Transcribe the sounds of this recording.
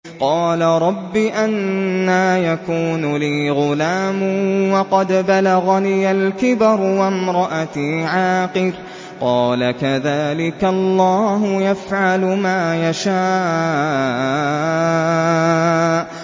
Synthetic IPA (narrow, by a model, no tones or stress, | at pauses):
qɑːlaɾˤɑbːiʔanːaːjakuːnʊliːɣʊlaːmwɑqɑd̪balaɣaniːalkɪbɑɾˤwamɾˤɑʔat̪iʕaːqɨɾ | qɑːlakaðaːlɪkalˤːɑːɦʊjafʕalʊmaːjaʃaː